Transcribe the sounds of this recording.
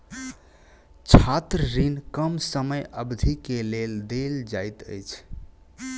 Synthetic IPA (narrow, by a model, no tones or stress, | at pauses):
t͡ʃʰat̪ɾɾinkəmsəməjʔəbd̪ʱikeleld̪eld͡ʒajt̪ə̰jt͡ʃʰ